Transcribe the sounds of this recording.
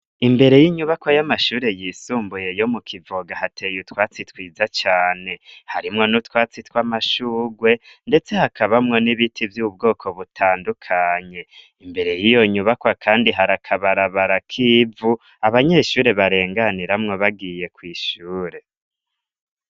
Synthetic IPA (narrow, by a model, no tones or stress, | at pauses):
imbe̞ɾe̞jiɲuβakwajamaʃuːɾe̞jisuːmbuje̞jo̞mukʰivoɡahatʰe̞jutwaːt͡sitwiːzat͡ʃaːne̞haɾimŋo̞nutwaːt͡sitwamaʃuːɡwe̞nde̞t͡se̞hakʰaβamŋo̞niβitʰivjub̚ɡo̞ːkʰo̞βutʰaːndukʰaɲe̞ | imbe̞ɾe̞jijo̞ɲuβakwakʰaːndiɦaɾakʰaβaɾaβaɾakʰiːvu | aβaɲeʃuːɾe̞βaɾe̞ːŋɡaniɾamŋoβaɡiːje̞kwiːʃuːɾe̞